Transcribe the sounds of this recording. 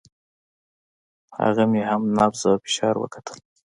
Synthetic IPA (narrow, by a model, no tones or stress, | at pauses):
ha̰ɣamehamnabzawfɪ̥ʃɑɾwə̰kḁt̪ʰə̥l